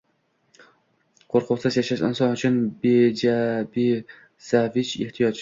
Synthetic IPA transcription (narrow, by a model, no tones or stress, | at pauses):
qʰoɾqʰʊsɨzjɛʃæʃɪ̰nsɑnyt͡ʃʰynbed͡ʒɛbe | sɛvɪt͡ʃeht̪ʰijɑt͡ʃ